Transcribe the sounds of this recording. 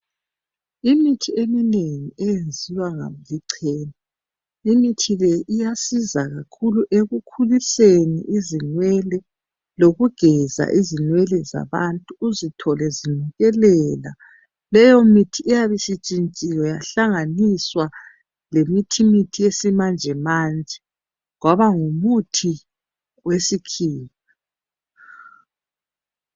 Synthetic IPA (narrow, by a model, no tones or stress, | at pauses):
imitʰiemineŋiɛjend͡zʱiwaŋa̰mliǀʰɛːna | imitʰilɛʔijasizaɣakʰuluʔeɣukʰulisenḭʔizinwɛlɛ | loɣuɡ̥ʱɛza̰ʔizinwɛlɛza̰βantʼuːzitʰɔlɛziniɣɛlɛla̰ | lɛjomitʰiːjaβisit͡ʃʼint͡ʃʼijɔjaɬaŋaniswa | lemitʰimitʰiesimand͡ʒʱɛmaːnd͡ʒʱɛ | ɣwaβaŋumutʰi | wesikʰiːn | a